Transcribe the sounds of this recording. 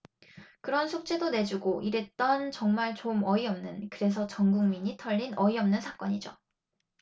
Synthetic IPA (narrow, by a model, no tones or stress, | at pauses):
kɯɾʌnsʰok̚t͡ɕ͈edone̞d͡ʑuɡoʔiɾet͈ʌnt͡ɕʌŋmaɭt͡ɕomʌiʌmnɯnkɯɾe̞s̬ʰʌt͡ɕʌŋɡuŋmiɲitʰʌʎːinʌiʌmnɯnsʰak͈ʌɲid͡ʑo̰